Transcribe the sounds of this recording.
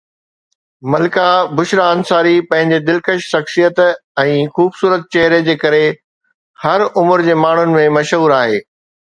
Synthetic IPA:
mɐlɪkabʊʃɾaənsaːɾipɐ̃ɦɪ̃ɲ̆d͡ʑed̪ɪlkəʃʃɐxsijət̪ɛ̃ːxuːbsuːɾət̪̚t͡ɕɐɦɾed͡ʑeːkɐɾe | hɐɾʊmʊɾd͡ʑeːmaːɳ̤ʊnɪ̆mẽmɐʃɦuːɾaːɦeː

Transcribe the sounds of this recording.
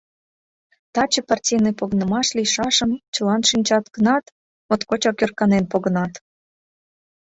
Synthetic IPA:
t̪ɑt͡ɕəpɑrtʲijnepoɣnəmɑʃlʲijʃɑʃəmt͡ɕəlɑnʃinʲt͡ɕɑt̪kənɑt̪ | mot̪kot͡ɕokʲørkɑnenpoɣənɑt̪

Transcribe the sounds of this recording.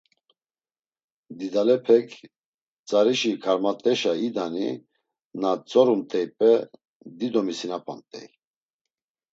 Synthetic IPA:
d̪id̪alɛpʰɛkʰ | t͡sʼaɾiʃikʰaɾmat̪ʼɛʃaid̪anḭ | nat͡sʼɔɾunt̪ʼɛjpʼɛ | d̪id̪ɔmisinapʼant̪ʼɛ̰j

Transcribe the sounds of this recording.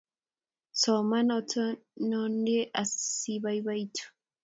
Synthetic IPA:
somanɔtʰnondeʔasiβaiβaitʰu̥

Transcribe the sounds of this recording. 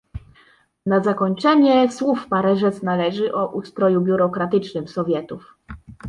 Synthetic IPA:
nazakɔɲt͡ʂɛɲɛswufpaɾɛʐɛsnalɛʐɘʔɔʔust̪ɾɔjubʲjuɾɔkɾat̪ɘt͡ʂnɘmsɔvʲjɛt̪uf

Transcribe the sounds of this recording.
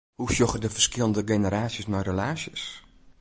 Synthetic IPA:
husjɔxədəfərskɪlˠndəɡenəɾaːsjəsmɛjrəlaːsjəs

